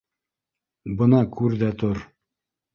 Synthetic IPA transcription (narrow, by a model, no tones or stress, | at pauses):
bɤ̆nɑkʰʉɾðæt̪oɾ